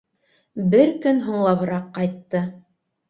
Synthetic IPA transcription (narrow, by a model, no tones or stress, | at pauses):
bɘɾkɵnɦŭɴlˠɑβɤ̆ɾɑqːɑjt̪ːɤ